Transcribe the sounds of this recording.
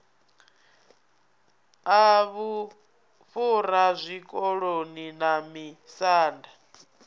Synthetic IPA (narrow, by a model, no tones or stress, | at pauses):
aβu | fuɾazʷikʼɔɺoninamisaːnda